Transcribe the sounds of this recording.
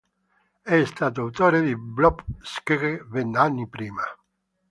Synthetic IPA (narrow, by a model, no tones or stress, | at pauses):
ɛːst̪at̪oawt̪oɾeðiblɔpskeɾevenanːipɾima